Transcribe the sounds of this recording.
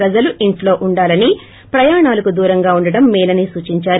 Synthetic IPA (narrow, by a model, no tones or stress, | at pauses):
ɾɐd͡ʒɐluʔiɳʈlo̞ːʔuɳɖaːlɐni | pɾɐjaːɳaːlɐkud̪uːɾɐŋɡaːuɳɖɐɽɐmːɛːlɐnisuːt͡ʃiɲt͡ʃaːɾ